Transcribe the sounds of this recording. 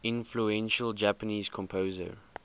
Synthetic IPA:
ɪ̃nfluɛ̃nʃəld͡ʒæpəniːz̥kʰɔ̃mpʰoːzə̰

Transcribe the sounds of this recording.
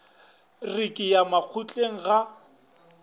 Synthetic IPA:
rikʼɪjamak͡xʰut͡ɬʼeŋ̩ɣa

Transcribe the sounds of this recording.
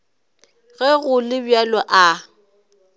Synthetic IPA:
ɣɛɣʊlɪbjalɔʔa

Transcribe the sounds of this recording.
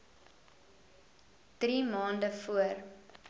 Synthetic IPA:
d̥rimɑːndəfuər

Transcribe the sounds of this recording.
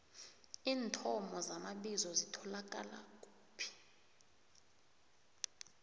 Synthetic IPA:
iːntʰɔmɔzamaɓizɔzitʰɔlak̬ʼala̰kʼuːpʰi̥

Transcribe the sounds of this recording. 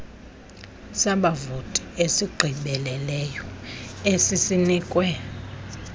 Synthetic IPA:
saɓavotʼiesiɡ͡ǃʱiɓɛlɛlɛjɔesisiniːkʼwɛ

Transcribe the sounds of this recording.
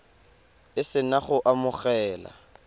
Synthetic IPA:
ɪsɪnaχʊʔamʊχɛːla̰

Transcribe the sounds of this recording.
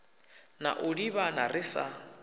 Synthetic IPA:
na̰ʔʊdiβanarɪsa

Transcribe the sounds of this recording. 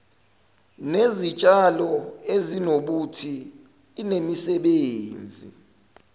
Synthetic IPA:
nezit͡ʃʼalɔezinoɓutʰiː | nemisɛɓeːnd͡zʱḭ

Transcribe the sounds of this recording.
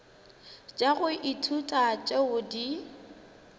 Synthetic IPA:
t͡ʃʼaɣʊʔitʰutʼat͡ʃʼɛʊdi

